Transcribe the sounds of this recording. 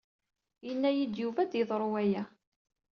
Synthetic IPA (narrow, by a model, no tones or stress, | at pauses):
jənːæjid̪juvæd̪iðˤɾˤuwæjæ